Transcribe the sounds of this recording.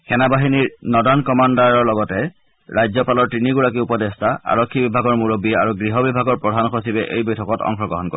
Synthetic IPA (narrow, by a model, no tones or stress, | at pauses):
xɛnabaɦiniɹnɔdankɔmandaɹɔɹlɔɡɔtɛ | ɹajzɔpalɔɹtɹiniɡuɹakiupɔdɛstaa̰ɹɔkʰːibibʱaɡɔɹmuɹobia̰ɹuɡɹiɦɔbibʱaɡɔɹpɹɔdʱanxosibɛʔḛjbɔjtʰɔkɔtɔ̰ŋxɔɡɹɔ̰ɦɔnko̰ɹɛ